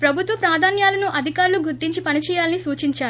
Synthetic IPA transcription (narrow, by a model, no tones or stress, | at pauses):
pɾɐbʱut̪ʋɐpɾaːd̪ʱaːnjaːlɐnuʔɐd̪ʱikaːɾluɡuɾt̪iɲt͡ʃipɐnit͡ʃɛːjaːlɐnisuːt͡ʃiɲt͡ʃaːɾu